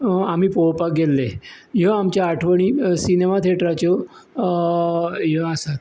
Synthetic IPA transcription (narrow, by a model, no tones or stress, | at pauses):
am̤iːpowpaɡelːe | jəamt͡ɕjaːʈʰʋəɳ̃iːsinemat̪ʰeʈɾat͡ɕə | jəasat̪